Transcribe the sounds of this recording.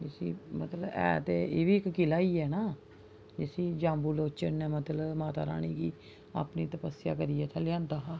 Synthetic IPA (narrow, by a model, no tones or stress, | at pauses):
d͡ʒɪsḭːmət̪ləɛ̰ːt̪eːeːʋiːɪkkɪlaːiːɛːnaː | d͡ʒɪsĩːd͡ʒãːmbuːloːt͡ʃənːɛ̃ːmət̪ləmaːt̪a̰ːɾa̰ːɽ̃iːkiː | a̰ːpniːt̪əpəsɪja̰ːkəɾiːɛːt̪ʰɛːlɪjãːnd̪aːɦaː